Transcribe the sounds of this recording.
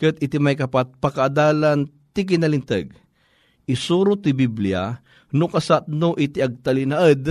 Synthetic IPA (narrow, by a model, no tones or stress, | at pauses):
kɨt̪ɪt̪imajkɐpat̪̚pɐkaʔːd̪aːlan | t̪ɪk̬ɪnɐlɪnt̪ɛ̰ɡ̚ | ɪsuːɾʊt̪ɪbiblia̰ | nʊkɐsat̪̚noʔɪt̪iɐɡ̚t̪ɐlɪnaʔəd̪